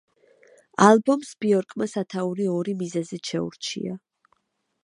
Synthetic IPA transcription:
albɔmsb̥iɔɾkʼmasat̪ʰauɾiɔɾimizɛzit̪ʃɛṵɾt͡ʃʰḭa̰

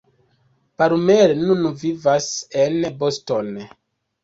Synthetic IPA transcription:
paɾumeɾnunvivasenbosto̞n

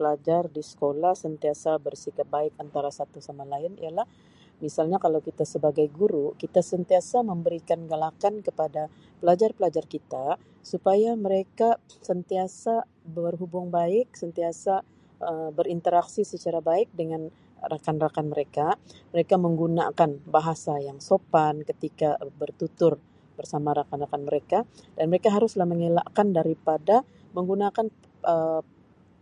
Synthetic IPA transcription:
pəlad͡ʒardisə̥kolahsənt̪iasabərsikat̪̚baɪkant̪aɾasat̪usamalaɪnḭjalah | misalɲakalawkit̪asəbaɡajɡuɾukit̪asənt̪iasaməmbəɾikanɡalakankəpada | pəlad͡ʒarpəlad͡ʒarkit̪a | supajaməɾekasənt̪iasa | bərɦubʊŋbaɪk̚sənt̪iasa | əbəɾint̪əɾaksisət͡ʃaɾabaɪk̚dəŋan | rakanrakanməɾekaməɾekaməŋɡuna̰kanbaɦasajaŋsopankət̪ikabərt̪ut̪ʊr | bərsamaɾakanrakanməɾekadanməɾekaɦaɾʊslahməŋela̰ʔkandaɾipada | məŋɡunakan | ʔə

